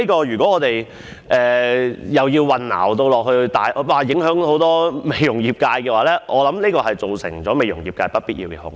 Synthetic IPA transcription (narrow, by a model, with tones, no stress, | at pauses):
i˥kɔː˧jyː˨˩kɔ˨˥ɔː˨˧t̪e˨j | ʔɛː˨jɐ˨wjiː˧wːɐ˨nna̰ː˨˩wt̪̬o˧wlɔː˨k̚hɵ˧ɥt̪aː˨jwaː˨˩jɪ˨˥ŋɦœː˨˥ŋho˨˥wt̪ɔː˥me˨˩jjʊ˨˩ŋjiː˨˩p̚kaː˧jkɛː˧waː˨˥lɛː˥ʔɔː˨˧lɐ˨˥mniː˥kɔː˧hɐ˨jt͡so˨wsɪ̰˨˩ŋt͡sɔː˨˥me˨jʊ˨˩ŋjiː˨p̚kaː˧jpɐ˥t̚piː˥t̚jiː˧wkɛ˧hʊ̰˧ŋ